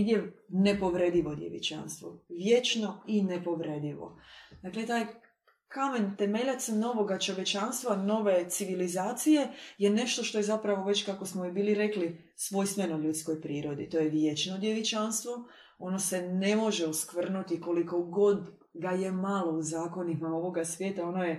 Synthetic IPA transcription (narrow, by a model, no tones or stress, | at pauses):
d̪jenepo̞ʋɾed̪iʋo̞d̪jḛʋḭt͡ʃa̰nst̪ʋo̰ʋjet͡ʃno̞inepo̞ʋɾed̪iʋo̰d̪aklet̪aːj | kame̞nt̪e̞me̞ʎat̪sno̞ʋo̞ɡat͡ʃo̞ʋje̞t͡ʃanst̪ʋano̞ʋe̞t̪siʋilizaːt̪sije̞jene̞ʃt̪o̞ʃt̪o̞je̞zapɾaʋo̞ʋe̞t͡ɕkako̞smoibiːliɾe̞kli | sʋo̞jst̪menoʎut̪sko̞jpɾiːɾo̞d̪it̪o̞jeʋjet͡ʃnod̪jeʋit͡ʃanst̪ʋo̞ | o̞no̞se̞ne̞mo̞ʒeuskʋr̩nut̪iko̞liko̞ɡo̞d̪ | ɡaje̞malo̞uzaːko̞nimao̞ʋo̞ɡasʋje̞ːt̪ao̞noje̞